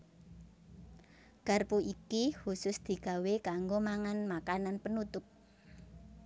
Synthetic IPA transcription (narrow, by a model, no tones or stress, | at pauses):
ɡ̥a̤rpuikihusʊsd̪̥i̤ɡ̥a̤wekaŋɡomaŋanmakananpənut̪ʊp̚